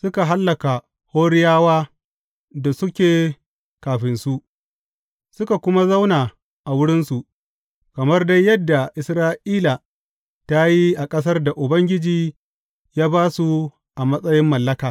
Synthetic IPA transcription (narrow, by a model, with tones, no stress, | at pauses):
sʊ˦ka˨ɦa˦lːɐ˨ka˨ | hoː˦ɽɪ˦jaː˦waː˦ | da˨sʊ˦kʲeː˨ | kaː˨ɸɪ˨nsu˦ʔ | sʊ˦ka˨kʷʊ˦ma˦za˦wnaː˨ | ʔa˨wʊ˦ɽɪ˦nsu˨ʔ | kɐ˨mɐ˦rda˦jːɐ˦dːa˨ʔɪ˨sɾaː˦ʔiː˦la˨ | ta˦ji˦ʔa˨kʼɐ˦s̬ɐ˦rda˨ʔʊ˨bɐ˦ŋɡʲɪ˦d͡ʒiː˦ | jaː˦baː˦su˨ | ʔa˨mɐ˦sʼɐ˦jɪ˦mːɐ˨lːɐ˦kaː˨